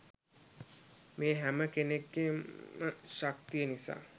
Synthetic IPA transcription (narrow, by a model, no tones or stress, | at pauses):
meːɦæməkeneɡːemməʃak̚t̪ijənisa̰ː